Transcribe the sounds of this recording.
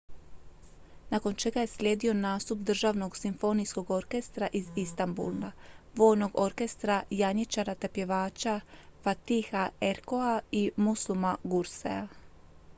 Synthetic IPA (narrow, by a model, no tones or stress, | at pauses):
nako̞nt͡ʃe̞ɡaje̞slʲeːd̪io̞naːst̪up̚d̪r̩ʒaʋno̞ɡsimfo̞nisko̞ɡo̞ɾke̞st̪ɾaʔizist̪ambṵlnaʋo̞ːjno̞ɡo̞ɾke̞st̪ɾajaɲit͡ʃaɾat̪epje̞ʋaːt͡ʃafat̪ixaeɾkoaimuslumaɡuɾsḛa